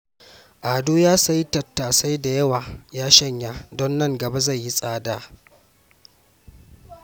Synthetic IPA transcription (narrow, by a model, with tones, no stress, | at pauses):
ʔaː˨doː˦jaː˦sa˦jtɐ˨tːaː˨sa˦jda˨jɐ˦waː˨jaː˦ʃɐ˦ɲjaː˦dɔ˦nːɐ˦˨ŋɡɐ˨ba˦za˦˨jji˦sʼaː˦daː˦